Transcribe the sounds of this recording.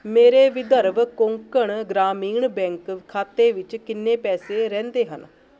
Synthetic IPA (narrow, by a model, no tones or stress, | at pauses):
meːɾeːʋɪd̪əɾʋkoŋkəɳɡɾaːmiːɳbɛ̃ːŋkʰːaːt̪eːʋɪt͡ʃkɪnːeːpɛːseːɾɛ̃ːnd̪eːɦə̰n